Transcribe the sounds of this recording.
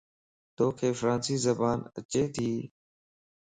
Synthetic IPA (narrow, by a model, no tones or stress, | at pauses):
t̪oːkʰeːfɾaːnsiːzəbaːnə̰t͡ʃeːt̪ʰiː